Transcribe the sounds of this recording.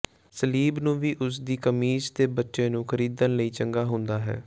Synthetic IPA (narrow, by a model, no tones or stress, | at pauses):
səliːbnũːʋiːʔʊs̬d̪iːkəmiːd͡ʒt̪eːbətːʃẽːnũːkʰəɾiːd̪ənləiːt͡ʃəŋɡaːɦʊ̃nd̪aːɦɛ̰ː